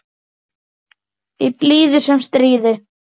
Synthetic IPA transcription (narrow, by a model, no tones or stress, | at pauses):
ipliːðʏsɛmst̪ɾiːðʏ